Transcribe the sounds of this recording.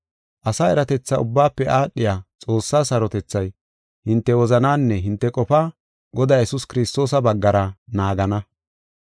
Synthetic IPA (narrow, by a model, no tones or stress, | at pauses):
ʔɐsaːɛɾɐt̪ɛt͡sːɐʊbːaːpːɛʔaːɗːɪjaːt͡sʼo̞ːsːaːsɐɾɔt̪ɛt͡sːɐj | hɪnt̪ːɛwɔzɐnaːnːɛɦɪnt̪ːɛkʼɔpaː | ɡɔd̪aːjɛsʊskɪɾɪst̪o̞ːs̬ɐbɐɡːɐɾɐnaːɡɐnɐ